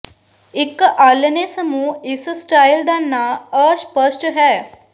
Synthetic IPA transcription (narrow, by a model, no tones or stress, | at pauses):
ikːəʔalənesəmuːisəsʈajld̪anːaəspəsʈəɦɛ